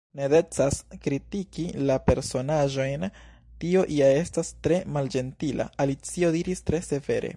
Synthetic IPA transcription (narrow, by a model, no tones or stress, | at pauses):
nede̞t͡saskɾitikilape̞ɾso̞naʒo̞jn | tio̞ʔiae̞stastɾe̞mald͡ʒe̞ntila̰alit͡sio̞diɾistɾe̞se̞ve̞̰ɾe̞̰